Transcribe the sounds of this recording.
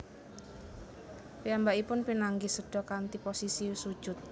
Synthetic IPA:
piambaʔipʊnpinaŋɡisəɖ̥ɔ̤kant̪iposisisud̥ʒ̥ʊt̪̚

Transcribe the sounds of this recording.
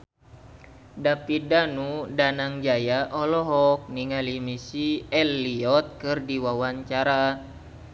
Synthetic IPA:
dapidanudanaŋd͡ʒajaʔɔlɔɦɔk̚niŋalimisiɛlːiɔt̪̚kɨrdiwawaɲt͡ʃaɾa

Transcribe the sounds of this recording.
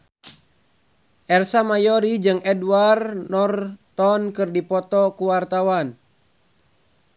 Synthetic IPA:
ʔɛrsamajɔɾid͡ʒɨŋɛdwarnɔrt̪ɔnkɨrdipɔt̪ɔkuwart̪awan

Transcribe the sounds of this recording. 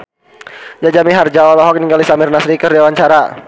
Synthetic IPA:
d͡ʒad͡ʒamiɦard͡ʒaɔlɔɦɔk̚niŋɡalisamɪrnasɾikərdawaɲt͡ʃaɾa

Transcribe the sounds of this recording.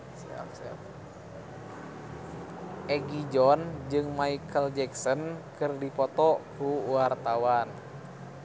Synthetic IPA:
sɛ̰fsɛf | ʔɛɡid͡ʒɔnd͡ʒɨŋmaikʰəld͡ʒɛksɔnkɨrdipɔt̪ɔkuwart̪awan

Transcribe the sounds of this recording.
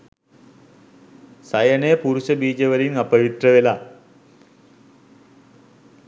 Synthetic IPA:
sɐjɐnepuɾuɕɐbiːd͡ʑɐʋɐɾinɐpːɐɻit̪rɐʋela

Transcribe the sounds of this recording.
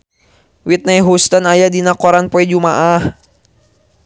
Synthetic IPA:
wit̪̚najɦust̪anajadinakɔɾanpɔɛd͡ʒumaʔah

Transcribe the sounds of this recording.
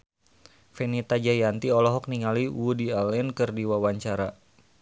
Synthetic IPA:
fɛnit̪ad͡ʒajant̪iɔlɔɦɔk̚niŋaliwudialɛnkɨrdiwawaɲt͡ʃaɾa

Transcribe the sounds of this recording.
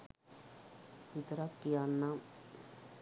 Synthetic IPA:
it̪ɾakːijanːa

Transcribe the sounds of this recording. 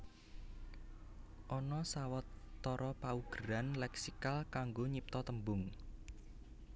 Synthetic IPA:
ʔɔnɔsawɔt̪ːɔɾʔɔpauɡ̥əɾanlɛksikalkaŋɡoɲip̚t̪ɔt̪əmbʊŋ

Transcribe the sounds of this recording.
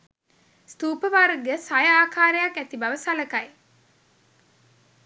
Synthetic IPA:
st̪uːpəʋaːɾəɡesajəaːkaːɾejakæt̪ibɐʋəsaləkɐj

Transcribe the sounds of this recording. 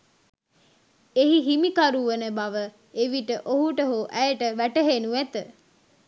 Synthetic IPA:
eɦiɦimikaɾuʋənəbaʋə | eʋiʈəʔoɦuʈəɦuʔæjəʈəʋæʈəɦenuæt̪ə

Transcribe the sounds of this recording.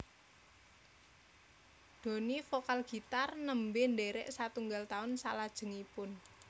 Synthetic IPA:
d̪̥o̤nifokalɡ̥i̤t̪arnəmbenɖeɾɛʔsat̪uŋɡalt̪aʊnsa̰lad̥ʒ̥ə̤ŋipʊn

